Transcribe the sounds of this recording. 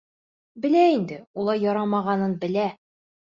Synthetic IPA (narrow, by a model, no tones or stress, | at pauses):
bɘ̆læind̪ɘulˠɑɾjɒɾɑmɑʁɑnɤnbɘ̆læ